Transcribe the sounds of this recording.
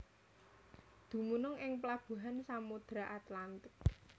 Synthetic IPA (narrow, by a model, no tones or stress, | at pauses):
d̪̥ṳmunʊŋʔɪŋpəlab̥ṳɦansamud̪̥ɾaʔat̪lant̪ɪk̚